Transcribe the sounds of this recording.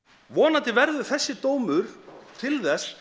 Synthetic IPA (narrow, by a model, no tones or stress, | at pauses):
vɔːnat̪ɪvɛɾðʏθɛsːɪt̪oːwmʏɾ̥t̪ʰɪlθɛs